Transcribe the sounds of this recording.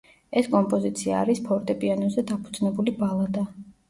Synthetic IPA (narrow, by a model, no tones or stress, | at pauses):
ɛskʼɔmpʼɔzit̪sʰia̰ːɾispʰɔɾt̪ʼɛpʼianɔzɛd̪apʰud̪z̥nɛbulibalˠad̪a